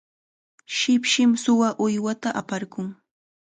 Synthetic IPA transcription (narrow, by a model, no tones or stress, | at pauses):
ʃɪpʃɪmsʊwaʔʊjwat̪aʔapaɾkʊŋ